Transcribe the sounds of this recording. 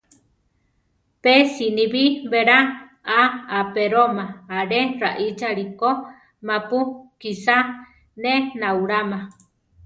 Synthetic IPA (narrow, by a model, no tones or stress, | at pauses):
pesiniβiβeɾa | aapeɾomaaɾeraʔit͡ʃaɾiko | mapukisa | nenauɾama